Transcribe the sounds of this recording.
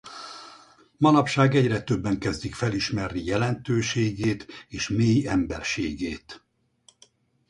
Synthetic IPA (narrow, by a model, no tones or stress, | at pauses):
mɒnɒpʃaːɡɛɟrɛt̪ø̞bːɛŋkɛzd̪ikfɛliʃmɛrnijɛlɛnt̪øːʃeːɡeːt̪eːʃmeːjɛmbɛrʃeːɡeːt̪